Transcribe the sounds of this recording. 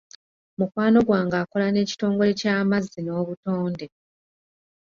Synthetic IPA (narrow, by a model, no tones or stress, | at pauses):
mukwaːno̞ɡwaːŋɡaːko̞lane̞ːci̥to̞ːŋɡo̞le̞caːmazːino̞ːβuto̞ːnde̞